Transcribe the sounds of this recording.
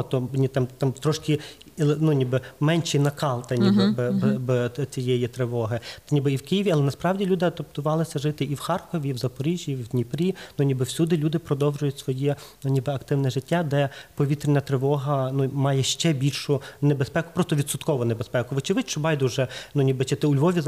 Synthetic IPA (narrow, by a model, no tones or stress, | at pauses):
t̪ɔnʲit̪ɑmt̪ɑmt̪ɾɔʃkʲɪ | lˠnʊnʲibɪmɛnʲt͡ʃinɐkɑlˠt̪ɐnʲibɪbbt͡sʲijɛjit̪ɾɪʋɔɦɪnʲibɪiwkɪjiʋʲiɐlˠɛnɐspɾɑwdʲilʲud̪ɪɐd̪ɔp̚t̪ʊʋɑlˠɪsʲɐʒɪt̪ɪiwxɑrkɔʋʲiwzɐpɔɾʲiʒʲjiwd̪ʲnʲipɾʲinʊnʲibɪwsʲud̪ɪlʲud̪ɪpɾɔd̪ɔwʒʊjʊtʲsʋɔjɛnʊnʲibɪɐkt̪ɪwnɛʒɪtʲːad̪ɛpɔʋʲit̪ɾʲɪnʲːɐt̪ɾɪʋɔɦɐnʊmɑjɛʃt͡ʃɛbʲilʲʃʊnebespɛkʊ̥pɾɔst̪ɔʋʲid̪sʊt̪kɔʋɔnebespɛkʊʋɪt͡ʃɪʋɪt͡ʃɔbɑjd̪ʊʒɛnʊnʲibɪt͡ʃɪt̪ɪʊlʲʋɔʋʲiz